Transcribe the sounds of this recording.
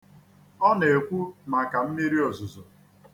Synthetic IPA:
ɔ˦ne˨kʷu˦ma˨ka˨m̩˦mi˦ɾi˦ɔ˨zʊ˨zʊ˨

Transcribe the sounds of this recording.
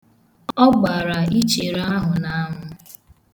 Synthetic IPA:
ɔ˦ɡ͡ba˨ɾa˨i˦t͡ʃe˨ɾa˦ɦʊ˨na˦ɦʊ˦

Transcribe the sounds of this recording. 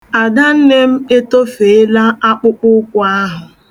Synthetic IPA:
a˨da˦n̩˦ne˦m̩˦e˦to˦fe˨e˦la˦a˦k͡pʊ˦k͡pʊ˦kʷʊ˦a˦ɦʊ˨

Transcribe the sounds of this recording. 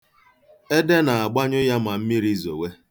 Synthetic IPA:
e˦de˦na˨a˨ɡ͡ba˦ɲʊ˦ja˦ma˨m̩˦mi˦ɾi˦zo̰˨we˦

